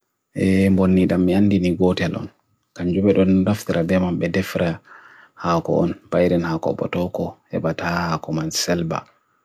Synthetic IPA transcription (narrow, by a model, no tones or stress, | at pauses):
ʔɛmbonːiɗamːianːdiniɡɔtɛlʔɔ̰n | kaɲd͡ʒubɛɗɔndaft̪iɾabɛmambɛdɛfɾʔa | haːkɔ̰ɔnbajɾɛnhakɔ̰ɓɔ̰tɔkɔhɛ̰batahakɔmansɛlba̰